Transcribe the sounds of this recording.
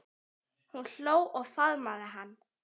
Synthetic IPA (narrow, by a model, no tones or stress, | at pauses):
hunl̥oːwʔɔɣfaðmaðɪɦanː